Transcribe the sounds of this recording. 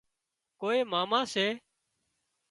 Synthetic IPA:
koːeːmaːmãːseː

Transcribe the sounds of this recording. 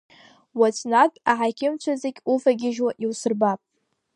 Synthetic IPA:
wat͡sʷʰʼnakʼaħakʲʰɪmt͡ʃʷʰazekʲufaɡʲɪʒwaʔiwsɨrbapʼ

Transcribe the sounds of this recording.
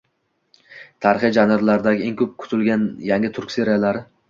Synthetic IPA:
t̪ʰaɾɪχid͡ʒanɪɾlaɾd̪aɡʲɪeŋkʰɵp̚kʰʊ̥t̪ʰɪlɡʲanjaŋɡʲɪt̪ʰʊɾkʲseɾijalaɾɪ

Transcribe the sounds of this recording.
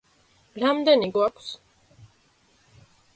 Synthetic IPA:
ɾamd̪ɛniɡwakʰs

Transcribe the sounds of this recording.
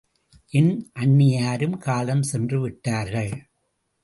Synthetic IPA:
ʔɪnʔɐɳːɪjaːɾɯmkaːlɐmsɛndrɯʋɪʈːaːɾɣɐɭ

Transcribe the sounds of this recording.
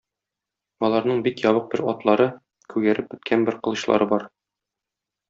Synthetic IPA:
ɒlˠɑɾnɤɴbikjɒβɤq̚bɘɾɒt̪lˠɑɾɤ | kʉɡæɾɘp̚bɘ̆t̪̚kʰænbɘɾqɤ̆lˠɤ̆ɕlˠɑ̰ɾɤbɒɾ

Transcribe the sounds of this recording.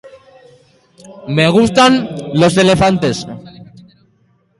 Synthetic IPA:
meɣ̞ust̪anlo̞sele̞fant̪e̞s

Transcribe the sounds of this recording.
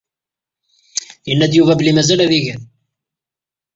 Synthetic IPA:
jənːæd̪juvæblimæzælæðiʝən

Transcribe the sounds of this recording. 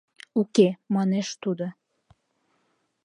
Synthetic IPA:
ukemɑneʃt̪ud̪o

